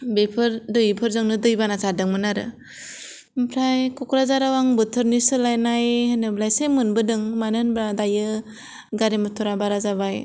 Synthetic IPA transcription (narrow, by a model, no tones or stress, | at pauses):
bepʰɯɾdɯjɯpʰɯɾzɯŋnɯdɯjbanasadɯŋmɯnaɾɯ̰ | mpʰɾajkukɾazaɾawaŋbɯtʰɯɾnisɯlajnajhɯnɯblajsemɯnbɯdɯŋmanɯnbɾadajɯ | ɡaɾemɯtʰɔɾabaɾazaβaj